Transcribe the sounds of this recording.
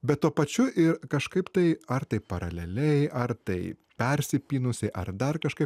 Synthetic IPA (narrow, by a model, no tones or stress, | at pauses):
bʲɛt̪̚t̪uɔpɐt͡ʃʲʊʔɪɾkɐʃkɐɪpt̪ɐɪɐɾt̪ɐɪpɐɾɐ̰lʲɛlʲɛɪʔɐɾt̪ɐɪ | pʲɛɾʲsʲɪpʲiːnʊsʲɛʔɐ̰ɾd̪ɐɾkɐʃkɐɪp